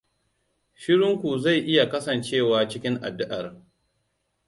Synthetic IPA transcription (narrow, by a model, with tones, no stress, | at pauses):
ʃɪ˦ɽɪ˦ŋkʷu˨za˦˨jʔɪ˦ja˨kɐ˦sɐ˨nt͡ʃeː˦˨waː˨t͡ʃɪ˦kʲɪ˦ŋʔa̰˨dːʊ˦ʔɐ˨r